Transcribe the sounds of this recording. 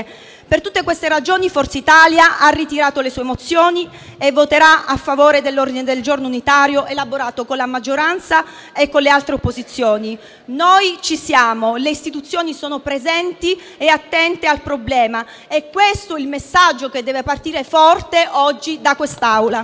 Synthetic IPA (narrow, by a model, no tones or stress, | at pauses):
pert̪ut̪ːekwest̪eɾad͡ʒoːnifɔrt̪seit̪aljaʔarːit̪iɾaːt̪olesuːemot̪sːjoːni | evːot̪eɾaafːavoːɾed̪elːord̪ined̪eld͡ʒornounit̪aːɾjoʔelaboɾaːt̪okonlamad͡ʒːoɾant̪sa | ekːonlːealt̪ɾeopːozit̪sːjoːni | nojt͡ʃisjaːmoleist̪it̪ut̪sːjoːnisoːnopɾezɛnt̪i | eat̪ːɛnt̪ealpɾoblɛːma | ɛkːwest̪oilmesːad͡ʒːoked̪ːɛːvepart̪iːɾefɔrt̪eʔɔd͡ʒːid̪akwest̪awla